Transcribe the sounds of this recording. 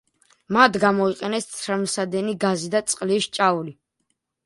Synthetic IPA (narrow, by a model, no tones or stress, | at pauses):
mad̪ɡamɔiqʼɛnɛst̪sʰɾmsad̪ɛniɡazid̪at̪sʼqʼliʃt͡ʃʼauli